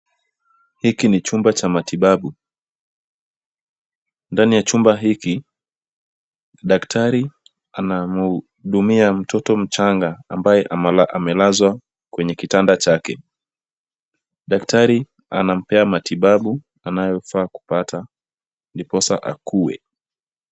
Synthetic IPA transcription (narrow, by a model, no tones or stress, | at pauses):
hikinit͡ʃumbat͡ʃamatiɓaɓu | ndanijat͡ʃumbaɦiki | ɗaktʰaɾi | anamu | ɗumiam̩tʰɔtɔm̩t͡ʃaŋɡaːmbajɛʔalaʔamɛlazwa | kwɛɲɛkitandat͡ʃakɛ | ɗaktaɾi | anam̩pɛamatiɓaɓu | anajɔfaːku̥patʰa | ndipɔsaʔa̰kʰuwɛ̰